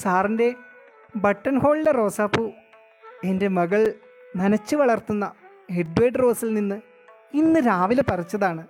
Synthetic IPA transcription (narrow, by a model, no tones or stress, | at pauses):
saːrinde̞ | bɐʈːɐnho̞ːɭːero̞ːsaːpːu | e̞nde̞mɐɣɐɭ | mɐnɐt͡ɕːɨʋɐɭɐrt̪unːɐ | heɖʋeːɖro̞ːsilninːɨ | inːɨɾaːʋilepɐrɐt͡ɕːɐðaːɳɨ